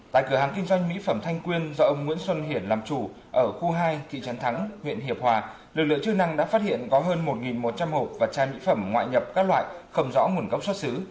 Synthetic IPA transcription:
t̪a̰ː˧˨kɨ˧˩əɦaː˨˩ŋkï˧ŋ̟zwa˧jŋ̟mḭ˧˥fə˧˩mt̪ʰa˧jŋ̟kwi˧ənzɔ˧ʔə˧wŋ͡mŋwi˧˥ənswə˧nɦi˧˩ənlaː˨˩mt͡ɕu˧˩ | ʔəː˧˩xu˧ɦaː˧jt̪ʰḭ˧˨t͡ɕə˨˦nt̪ʰa˨˦ŋŋwḭ˧˨nhi˨˩əp̚hwaː˨˩ | lɨ˨˩k̚lɨ̰˧˨ŋt͡ɕɨ˧na˧ŋɗa̰ː˧˥faː˦˥t̚hḭ˧˨ənkɔ˨˦ɦəː˧nmo˨˩t̚ŋi˨˩nmo˨˩t̚t͡ɕa˧mho˨˩p̚vaː˨˩t͡ɕaː˧jmḭ˧˥fə˧˩mŋwa̰ː˧˨jɲə˨˩p̚kaː˦˥k̚lwa̰ː˧˨jxə˧wŋ͡mzɔ̰˧˥ŋu˨˩ənkə˦˥wk͡p̚sɔ˦˥t̚sɨ˨˦

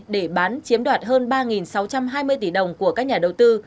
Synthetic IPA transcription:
ɗe˧˩ɓaː˨˦nt͡ɕi˨˦əmɗwaː˨˩t̚ɦəː˧nɓaː˧ŋi˨˩nsa˨˦wt͡ɕa˧mɦaː˧jmɨ˧əjt̪i˧˩ɗə˨˩wŋ͡mku˧˩əkaː˦˥k̚ɲaː˨˩ɗə˨˩wt̪ɨ˧

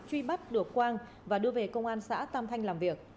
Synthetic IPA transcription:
t͡ɕwi˧ɓa˦˥t̚ɗɨ˨˩əkkːwaː˧ŋ | vaː˨˩ɗɨ˧əve˨˩kə˧wŋ͡mʔaː˧nsa̰ː˧˥t̪aː˧mt̪ʰa˧jŋ̟laː˨˩mvi˨˩ək̚

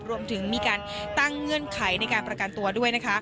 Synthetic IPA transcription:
ɾu˧əmt̪ʰɯ˩˦ŋmiː˧kaː˧n | t̪a˥˩ŋːɯ˥˩ənkʰa˩˦jna˧jkaː˧npɾa˧ka˧nt̪u˧ɐdu˥˩əjna˦˥kʰa˦˥

